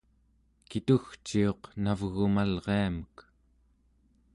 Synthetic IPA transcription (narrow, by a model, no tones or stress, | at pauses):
kit̪uxt͡ʃio̞qnavɣumalʁeamək